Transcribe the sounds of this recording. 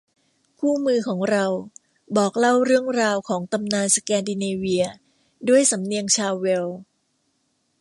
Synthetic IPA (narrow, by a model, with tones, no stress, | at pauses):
kʰuː˥˩mɯː˧kʰɔː˩˦ŋɾa˧w | bɔː˨˩k̚la˥˩wɾɯ˥˩əŋɾaː˧wkʰɔː˩˦ŋt̪a˧mnaː˧nsa˧kɛː˧ndi˧neː˧wi˧ɐ | du˥˩əjsa˩˦mni˧əŋt͡ɕʰaː˧wːe˧w